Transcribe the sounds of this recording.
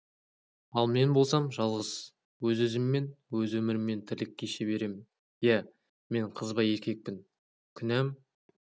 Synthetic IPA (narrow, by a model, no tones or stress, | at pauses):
ɑlˠme̞nbo̞lˠsɑmʒɑlˠʁəz̥ | wɵzɵzɪmːe̞nwɵzwɵmɪɾɪmːe̞nt̪ʰɪɾlɪkʲːe̞ʃeβe̞ɾe̞mɪn | jæ | me̞ɴqʰəzbɑje̞kʲe̞k̚pɪn | kʲʰʏnæm